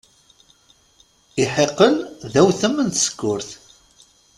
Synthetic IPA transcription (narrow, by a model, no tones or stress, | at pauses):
ɪħeqːəlðæwθəmːənt̪sə̥kːʊɾθ